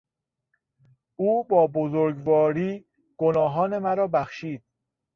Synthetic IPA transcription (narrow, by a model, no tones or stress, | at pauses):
ʔuːbɒːbozoɾɡvɒːɾiː | ɡ̥onɒːɦɒːne̞mæɾɒːbæxʃiːd̪̥̚